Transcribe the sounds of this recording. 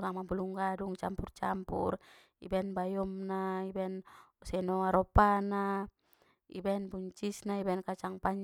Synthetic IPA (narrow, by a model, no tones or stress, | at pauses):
ɡaŋmabuluŋɡaduŋt͡ʃampurt͡ʃampṵr | ḭbaɛnbajɔmnaibaɛnsɛnɔaɾɔpana | ḭbaɛnbuɲt͡ʃisnaibaɛnkat͡ʃaŋpaɲ